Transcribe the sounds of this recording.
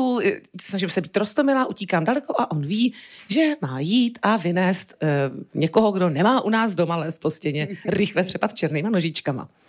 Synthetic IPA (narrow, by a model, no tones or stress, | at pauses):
usnaʒɪmsɛbiːt̪ɾost̪omɪlaːʔuciːkaːmdalɛko̞ʔaʔo̞nviːʒɛmaːjiːt̪ʔavɪnɛːst̪ɲɛkoɦoɡdo̞nɛmaːʔunaːzdo̞malɛːst̪̚poscɛɲɛɾɪxlɛpr̝̥ɛpat̪t͡ʃɛɾniːmano̞ʒɪt͡ʃkama̰